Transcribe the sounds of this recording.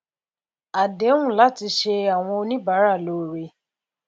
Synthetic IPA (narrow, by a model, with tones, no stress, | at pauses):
a˨de˨˦ŋʷʊ̃˦˨la˦tɪ˧ʃe˦a˨ŋ̃ʷɔ˧o˦nĩ˦ba˨˦ɾa˦˨lo˨ɾe˨